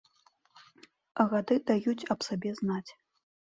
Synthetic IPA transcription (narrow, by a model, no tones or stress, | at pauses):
ɐɣad̪ɨd̪ajut͡sʲɐpsabʲɛznat͡sʲ